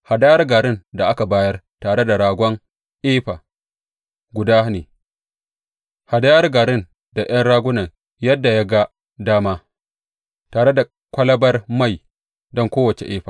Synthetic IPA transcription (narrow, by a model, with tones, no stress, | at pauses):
ha˨da˦jɐ˦rɡa˨ɾɪ˦nda˨ʔa˦ka˨baː˦jɐ˦r | taː˨ɽe˦da˨ɽaː˨ɡʷɔ˦ŋ | ʔeː˦ɸaː˨ | ɡʷʊ˨daː˦neː˨ | ha˨da˦jɐ˦rɡa˨ɾɪ˦n | da˨ʔj̰ɐ˦nɽaː˦ɡʷʊ˦nɐ˨ŋ | jɐ˦dːa˨ja˦ɡa˦ | daː˦maː˦ | taː˨ɽe˦da˨ | kʷɐ˦lɐ˦bɐ˦rma˦˨j | dɔ˦ŋkʷoː˦wɐ˨t͡ʃḛ˨ʔeː˦ɸaː˨